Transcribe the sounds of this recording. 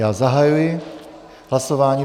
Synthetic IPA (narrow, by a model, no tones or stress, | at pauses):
azaɦajujɛ | ɦlasɔʋaːɲiː